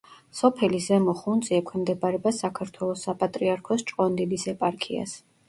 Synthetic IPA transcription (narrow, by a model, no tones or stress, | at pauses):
sɔpʰɛlizɛmɔχund̪sʼiɛkʷʰwɛmd̪ɛbaɾɛbasakʰaɾt̪ʰwɛlˠɔsːapʼat̪ʼɾiaɾkʰɔst͡ʃʼqʼɔnd̪ibisɛpʼaɾkʰia̰s